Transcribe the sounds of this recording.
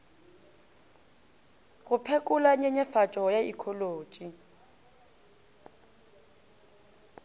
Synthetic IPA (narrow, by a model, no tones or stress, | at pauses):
ɣʊpʰekʼʊlaɲeɲɛfat͡ʃʼɔjaḭkʰɔloːt͡ʃʼi